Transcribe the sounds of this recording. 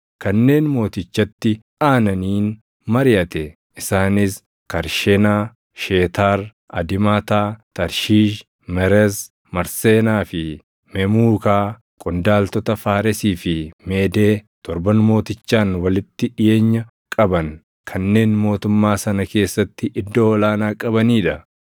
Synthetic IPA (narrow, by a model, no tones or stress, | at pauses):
kɐnːe̞ːnmo̞ːt̪ɪt͡ʃːɐt̪ːɪ | aːnɐniːn | mɐɾɪjɐt̪ɛ | ʔɪsaːnɪs | kɐɾʃɛnaː | ʃeːt̪aːɾ | ʔɐ̰d̪ɪmaːt̪aːt̪ɐɾʃiːʃ | mɛɾɛs | mɐɾseːnaːfɪ | mɛmuːkaː | kʼʊnd̪aːlt̪ɔt̪ɐfaːɾɛsiːfɪmeːd̪e̞ːt̪ɔɾbɐnmo̞ːt̪ɪt͡ʃːaːnwɐlɪt̪ːɪᶑɪjeːɲːɐ | kʼɐbɐn | kʰɐnːe̞ːnmo̞ːt̪ʊmːaːsɐnɐke̞ːsːɐt̪ːɪʔɪd̪ːo̞ːɔlaːnaːkʼɐbɐniːᶑɐ